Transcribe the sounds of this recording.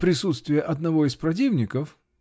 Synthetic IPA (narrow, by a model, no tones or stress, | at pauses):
pɾʲɪsut̪st̪vʲɪjəʔɐd̪nɐvo̞ɪspɾɐt̬ʲivnʲɪkəf